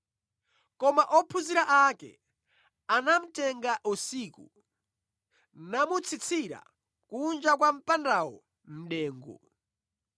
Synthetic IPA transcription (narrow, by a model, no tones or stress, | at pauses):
kɔmaʔɔpʰuziɾaʔakɛ̰ | anam̩tɛŋɡaʔusiːku | namut͡sʰit͡sʰiɾa̰ | kund͡ʒakwam̩pandawɔ̰ | m̩ɗɛːŋɡɔ̰